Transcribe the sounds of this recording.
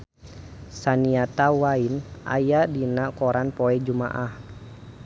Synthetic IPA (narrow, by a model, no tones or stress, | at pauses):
saniat̪awainʔa̰jadinakɔɾanpɔɛd͡ʒuma̰ʔah